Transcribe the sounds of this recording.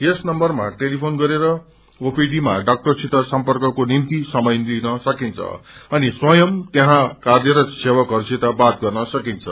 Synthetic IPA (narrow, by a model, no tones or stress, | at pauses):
esnʌmbʌrmaʈelipʰonɡʌɾeɾʌ | opiɖima̰ɖak̚ʈʌrsit̪asʌmpʌrkʌkonimt̪isʌmʌjnlinʌsʌkint͡sʰʌ̰ʌniswʌjʌmt̪eɦãkad̪eɾʌsewakɦʌrsit̪abat̪̚ɡʌrnʌsʌkint͡sʰʌ̰